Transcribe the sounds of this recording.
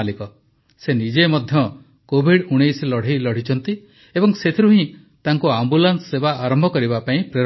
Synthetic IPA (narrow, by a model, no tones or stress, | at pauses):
likɔ | senid͡ʒemɔd̪ʱjɔ | kobʱiɽuɽ̃ejslɔɽ̤ilɔɽ̤it͡ʃʰɔnt̪i | ebɔŋset̪ʰiɾuɦĩ | t̪aŋkuambulansːebaːɾɔmbʱɔkɔɾibapaĩpɾeɾ